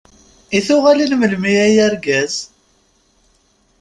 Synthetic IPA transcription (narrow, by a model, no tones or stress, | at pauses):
iθʊʁalinməlmiæjæɾɡæz̥